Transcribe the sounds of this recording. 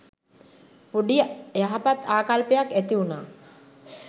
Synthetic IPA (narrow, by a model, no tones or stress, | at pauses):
puɖijəjaɦapat̪aːkalpəjakæt̪iunaː